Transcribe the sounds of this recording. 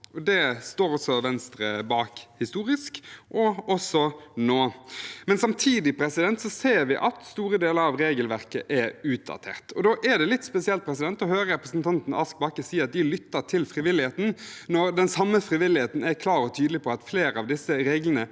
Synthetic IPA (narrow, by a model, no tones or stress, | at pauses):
ɔd̪ɛst̪oːɾɔsɔʋɛnst̪ɾəbɑːkhɪst̪uːɾɪskʔɔɔsɔnoːmɛnsɑmt̪ʰiːd̪ɪpʰɾɛsɪd̪ɛnt̪sɔseːɾʋɪʔɑt̪st̪uːɾəd̪eːləɾɑʋɾeːɡəlʋæʁkəʔæɾʉːt̪̚d̪ɑ̰t̪ʰḛːʁt̪ʰɔd̪oːʔæɖ̪ɛlɪt̪ːspɛsɪɛlt̪̚pʰɾɛs̬ɪd̪ɛnt̪ɔɦøːɾəɾɛpɾəsnt̪ʰɑnt̪n̩ɑsk̚bɑkːəsiːəɑt̪̚d̪ɪlʏt̪ːəʈ̪ʰɪlfɾɪʋɪlːɪheːt̪n̩nɔɾd̪ɛnsɑmːəfɾɪʋɪlːɪheːt̪n̩æɾkʰlɑːɾɔt̪ʰyːd̪əlɪpʰɔɑt̪fleːɾɑʋd̪ɪsəɾeːɡlənə